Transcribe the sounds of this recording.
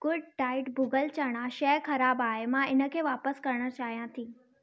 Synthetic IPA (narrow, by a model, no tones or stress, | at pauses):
ɡ̥ʊɖʈaːɪʈbʊɡəlt͡ɕɐɽ̃aʃɛːxɐɾaːbaːɦemãɪnə̆kʰeːʋaːpəskɐɾəɽ̃ə̆t͡ɕaːɦijãt̪ʰĩː